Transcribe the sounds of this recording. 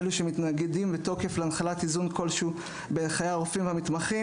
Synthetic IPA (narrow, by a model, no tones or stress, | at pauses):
eluʃemit̪naɡedimvet̪o̞ke̞fleanχalat̪izunko̞lʃu | benχajaʁofimveamit̪maχi